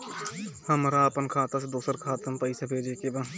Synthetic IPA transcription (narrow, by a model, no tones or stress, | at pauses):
həmɾaəpənkʰaːt̪asd̪oːsəɾkʰaːt̪əmpəɪsabʱeːd͡ʒeːkebaː